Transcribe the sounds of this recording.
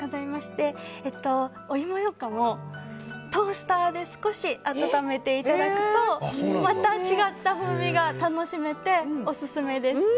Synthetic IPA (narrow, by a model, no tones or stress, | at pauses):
ɡazaimaɕi̥t̪e̞ːt̪ːo̞ː | imo̞jo̞kamo̞ | t̪o̞ːɕi̥t̪ad̪e̞sɨ̥ko̞ɕiat̪at̪ame̞t̪e̞it̪ad̪akɯ̟̥t̪o̞mat̪at͡ɕiɡat̪ːaɸɯ̟̃biɡat̪ano̞ɕime̞t̪e̞o̞sɨsɨme̞d̪e̞sɨ̥